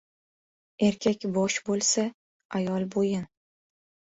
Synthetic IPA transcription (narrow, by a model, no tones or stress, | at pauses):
e̞ɾkʲʰakʲbɒʃbolˠsa | ajɒlˠbojɪn